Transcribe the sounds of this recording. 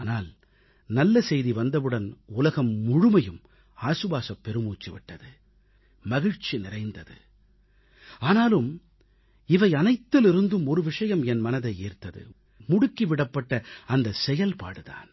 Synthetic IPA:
naːl | nɐlːɐsɛjðiʋɐnd̪ɐʋɯɽɐnʊlɐɣɐmːʊɻʊmɐjɯm | aːsɯʋaːsɐpːɛɾɯmuːt͡ʃːiʋɪʈːɐðɯ | mɐɣɪɻt͡ʃinɪrɐɪnd̪ɐðɯ̰ | aːnaːlɯm | ɪʋɐɪɐnɐɪt̪ːɪlɪɾɯnd̪ɯmɔɾɯʋɪʂɐjɐmɛnmɐnɐðɐɪeːrt̪ɐðɯ̰ | mʊɽʊkːiʋɪɽɐpːɐʈːɐɐnd̪ɐsɛjɐlpa̰ːɽɯða̰ːn

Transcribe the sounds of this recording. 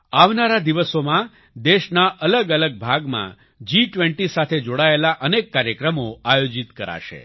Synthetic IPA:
aʋnaɾad̪iʋəsomã | d̪eʃnaʔələɡələɡ̚bʱaɡmã̰ | d͡ʒiʈʋɛɳʈisat̪ʰed͡ʒoɽaelaʔənekːaɾjəkɾəmoajod͡ʒit̪kəɾa̰ʃḛ

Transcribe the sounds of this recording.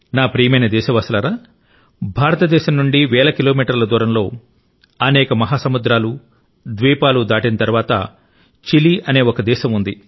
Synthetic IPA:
naːpɾiːmɐjnɐd̪ɛːʃɐʋɐsɐlɐɾaː | bʱaːɾɐt̪ɐd̪ɛːʃɐmnuɳɖiʋɛːlɐkiloːmiːʈɐɾlɐd̪uːɾɐmlo̞ː | ɐnɛːkɐmɐɦaːsɐmud̪ɾaːlu | d̪ʋiːpaːlud̪aːʈinɐt̪ɐɾʋaːt̪ɐ̰ | t͡ʃiliʔɐne̞ːɔkɐd̪ɛːʃɐmund̪i

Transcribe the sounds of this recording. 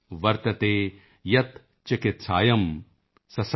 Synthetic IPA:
ʋɐɾt̪ɐt̪eː | jɐt̪ | t͡ʃɪkɪt̪saːjɐm | sɐs

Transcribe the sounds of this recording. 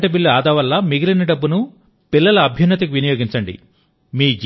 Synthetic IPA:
ʈɐp̬ilːuaːd̪ɐːʋɐlːɐmiɡilinɐɖɐbːunu | pilːɐlɐːbʱjɐnːɐt̪̬ɐkuʋinɐjoːɡiɲt͡ʃɐɳɖḭ | miːd͡ʒ

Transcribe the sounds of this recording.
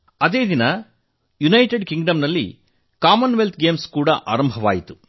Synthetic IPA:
ɐd̪e̞ːd̪inɐ | junɐjʈeɖkiŋɡɖɐmnɐlːḭ | kaːmɐnʋelt̪̚ʰɡeːmskuːɽɐʔaːɾɐmbʱɐʋaːjit̪u̥

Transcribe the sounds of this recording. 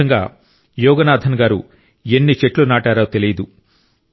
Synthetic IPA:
ɐŋɡa̰ː | jɔːɡɐnaːd̪ʱɐnɐɡaːɾṵ | enːit͡ʃeʈlunaːʈaːɾoːt̪e̞lijɐd̪u

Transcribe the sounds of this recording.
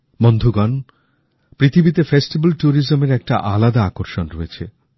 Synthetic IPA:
mond̪ʱuɡɔn | pɾit̪ʰibit̪efesʈibalʈuɾizomeɾɛk̚ʈa̰ʔalad̪aakoɾʃonɾoet͡ɕʰḛ

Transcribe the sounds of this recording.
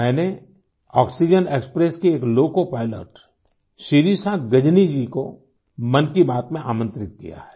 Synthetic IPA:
ɛ̃ːne | ɔːksid͡ʒəneːkspɾeskeeːkloːkopaːɪlə̰ʈ | ʃiɾisãɡɐd͡ʒnid͡ʒiko | mɐnkibaːt̪mẽʔa̰ːmə̃nt̪ɾɪt̪̚kḭja̰ɦɛ̥ː

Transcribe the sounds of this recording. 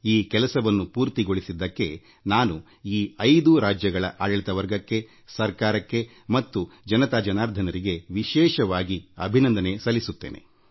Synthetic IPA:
iːkɛlɐsɐʋɐnːupuːɾt̪iɡo̞ɭisid̪ːɐkːe̞ | naːnu | iːɐjd̪uɾaːd͡ʒjɐɡɐɭɐ̰ʔaːjɐɭit̪ɐʋɐɾɡɐkːe̞ | sɐɾkaːɾɐkːe̞ | mɐt̪ːud͡ʒɐnɐt̪aːd͡ʒɐnaːɾd̪ʱɐnɐɾiɡe̞ʋiʃɛːʃɐʋaːɡiɐ̰bʱinɐnd̪ɐne̞sɐlːisut̪ːeːnʔe̞̰

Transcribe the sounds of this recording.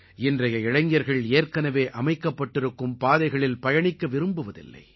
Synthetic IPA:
ɪndrɐjɐɪɻɐŋjɐɾɣɐɭeːɾkɐnɐʋeːʔɐmɐɪkːɐpːɐʈːɪɾɯkːɯmpaːðɐɪɣɐɭɪlpɐjɐɳɪkːɐʋɪɾɯmbɯʋɐðɪ̰lːɐ̰ɪ

